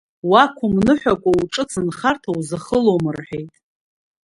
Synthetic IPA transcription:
wakʷʰʊmnɨħᶣakʷʼauʈ͡ʂʼɨt͡sʰɨnχartʰawzaχəlomɨrħᶣejtʼ

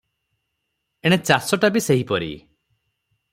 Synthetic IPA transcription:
eɽ̃et͡ʃasɔʈabiseɦipɔɾḭ

